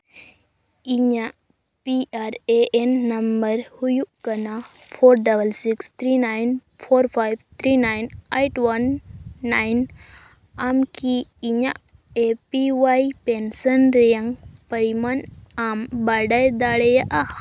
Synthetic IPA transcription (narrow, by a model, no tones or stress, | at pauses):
iɲaʔ | piaɾeenːɐmbəɾhujuʔkɐnapʰoɾɖɐbəlsikst̪ʰɾinajn | pʰoɾpʰajbt̪ʰɾinajnejʈwɐnːajn | amkiːɲaʔ | epiwajpensənɾejaŋɡpəɾimanambaɖajd̪aɽejaʔa